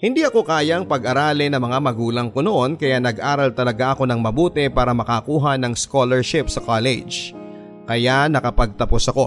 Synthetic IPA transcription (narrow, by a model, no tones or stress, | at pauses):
hɪnd̪iʔɐko̞kaːjɐŋpɐɡʔɐɾaːlɪnɐmɐŋamɐɡuːlɐŋkono̞ʔo̞nkɐjanɐɡʔaːɾɐlt̪ɐlɐɡaʔɐko̞nɐŋmɐbuːt̪ɛpaːɾɐmɐkɐkuːɦɐnɐŋskolɛɹʃɪpsɐkaːlɛ̰d͡ʒ | kɐjanɐkɐpɐɡ̚t̪ɐposɐko̞